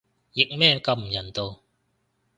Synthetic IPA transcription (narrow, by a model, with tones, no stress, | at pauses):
jɪ˨k̚mɛː˥˧kɐ˨˧m̩˨˩jɐ˨˩nt̪o˨˧w